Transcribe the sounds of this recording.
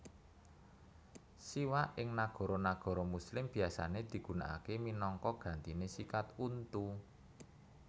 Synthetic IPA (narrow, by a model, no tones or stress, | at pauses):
siwaʔɪŋnaɡ̥ɔ̤ɾɔnaɡ̥ɔ̤ɾɔmuslɪmb̥i̤asa̰ned̪̥i̤ɡ̥ṳnaʔa̰keminɔŋkɔɡ̥a̤nt̪inesikat̪unt̪u